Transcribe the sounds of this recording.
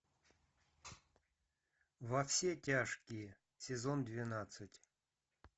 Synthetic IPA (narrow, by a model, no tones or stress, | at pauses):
vɐfsʲetʲaʂkʲɪjə | sʲɪzond̪vʲɪnat̪sɨtʲ